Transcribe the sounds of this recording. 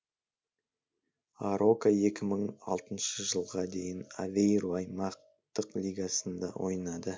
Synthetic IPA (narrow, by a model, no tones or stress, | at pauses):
aɾo̞kae̞kʲɪməɴɑ̰lˠt̪ənʃəʒəlˠʁɑd̪e̞jɪna̰vejɾuɑjmɑq̚ | t̪əqlʲiɡasənd̪ɑ̰wʔo̞̰jnɑd̪ə